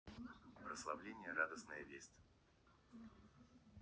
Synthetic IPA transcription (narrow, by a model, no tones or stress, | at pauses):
pɾəslˠɐvlʲenʲɪjəɾad̪əsnəjəvʲesʲtʲ